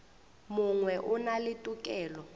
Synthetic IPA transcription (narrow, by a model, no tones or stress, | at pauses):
muŋwɛʔunalɪtʼukʼɛːlɔ